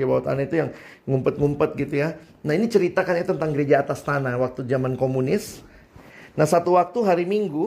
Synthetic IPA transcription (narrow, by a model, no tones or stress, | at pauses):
abawat̪a̰nait̪ujaŋ | ŋumpət̪̚ŋumpət̪̚ɡit̪uja | nainit͡ʃəɾit̪akanɲat̪ənt̪aŋɡəɾed͡ʒaːt̪ast̪anawak̚t̪ud͡ʒamankomunɪs | nahsat̪uwak̚t̪uɦaɾimiŋɡu